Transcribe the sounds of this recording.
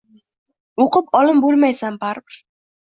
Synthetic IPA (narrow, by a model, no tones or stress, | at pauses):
oqʰɨpɒlˠɪmbolˠmajsambaɾbɪɾ